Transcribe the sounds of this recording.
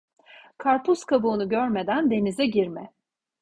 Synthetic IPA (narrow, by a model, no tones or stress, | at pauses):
kʰaɾpʰuskʰabuːnuɟøɾme̞d̪ænd̪e̞nizɛɟiɾmɛ